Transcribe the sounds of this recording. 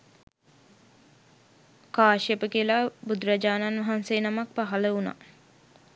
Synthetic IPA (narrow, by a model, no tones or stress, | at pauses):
kaːʃjəpəkiəlabud̪ɾad͡ʒaːnanʋɐɦanseːnamak̚paɦaləuna̰